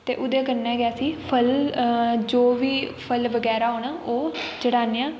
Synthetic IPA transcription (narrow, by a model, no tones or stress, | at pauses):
t̪ḛːʔʊd̪eːkəɾnɛ̃ːɡjaːsiːpʰəl | d͡ʒoːʋiːpʰəlʋəɡɛːɾaːɦoːnaːʔoːd͡ʒəɽaːneːãː